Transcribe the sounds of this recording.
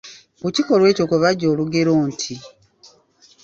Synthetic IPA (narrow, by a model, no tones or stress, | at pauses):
uciko̞lwe̞ːco̞kuβaɟːo̞ːluɡe̞ɾoːntʰi